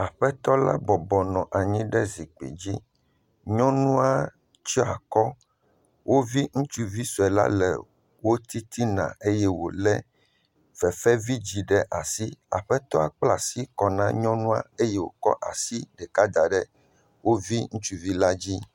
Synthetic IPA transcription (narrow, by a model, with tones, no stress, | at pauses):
a˨ɸɛ˦t̪ɔ˦la̰˦bɔ˨bɔ˨nɔ̃˨ʔa˨ɲĩ˦ɖɛ˦zi˨k͡pḛ˨d͡ʑi˦ | ɲɔ̃˦nũ˦a˦ | t͡ʃɔ˦a̰˨kɔ˦ | wʔo˦vi˦ŋũ˦t͡ʃu˦vi˦su˨ɛ˨la̰˦lɛ̰˨ | wo˦t̪i˦t̪ʰi˦nã̰˨e˦jɛ˦wo̰˨lɛ˦ | v̥ɛ˨fɛ˦vi˦d͡ʑi˨ɖɛ˦ʔa˨si˦a̰˨ɸɛ˦t̪ɔ˦a˨k͡pla˨si˦kɔ˨nã˦ɲɔ̃˦nũ˦a̰˦e˦jɛ˦wo̰˨kɔ̰˦ʔa˨si˦ɖɛ˨ka˦d̪a˨ɖɛ˦ | wo˦vi˦ŋũ˦t͡ʃu˦vi˦la˦d͡ʑi˦